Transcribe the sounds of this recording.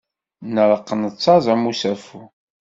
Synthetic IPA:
nəɾˤəqːənət͡sːɑzˤəmusæfu

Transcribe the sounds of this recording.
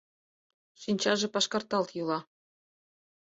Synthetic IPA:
ʃinʲt͡ɕɑʒĕpɑʃkɑrt̪ɑlt̪julˠɑ

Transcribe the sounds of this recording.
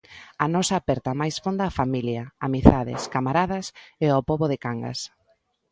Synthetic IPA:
anɔsaːpɛɾt̪ɐmajsfond̪aːfamiljaamiθaðɪ̰skamaɾaðɐseapoβoðɪkaŋɡa̰s

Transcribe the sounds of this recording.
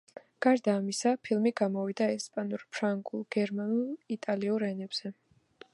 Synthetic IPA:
ɡ̥aɾd̪aːmisapʰilˠmiɡamɔvid̪aɛspʼanuɾpʰɾaŋɡʼulˠɡ̥ɛɾmanulˠit̪ʼaliuɾɛnɛbz̥ɛ

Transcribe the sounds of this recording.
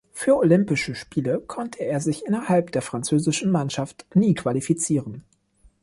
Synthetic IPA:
fyːɐʔolʏmpɪʃəʃpiːləkʰɔntʰəeːɐzɪçʔɪnɐhalpd̥eːɐfʁ̥ant͡søːzɪʃn̩manʃaftniːkʰv̥alifit͡siːʁən

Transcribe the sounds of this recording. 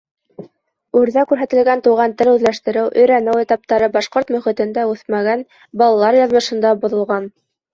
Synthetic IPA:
ʉɾðækʉɾɦæt̪ɘ̆lɡænt̪uʁɑnt̪ɘlʉðlæʃt̪ɘ̆ɾɘwʔɵ̆jɾænɘwĕt̪ɑp̚t̪ɑɾɤbɑʃqoɾt̪mɵ̆χĭt̪ɘ̆nd̪æʉθmæɡæn | bɑlˠɑlˠɑɾjɑðmɤ̆ʃɤ̆nd̪ɑbŏðŏlˠʁɑn

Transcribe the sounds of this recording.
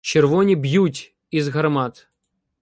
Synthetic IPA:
t͡ɕɪrvonʲibjutʲ | izɣɐɾmat̪

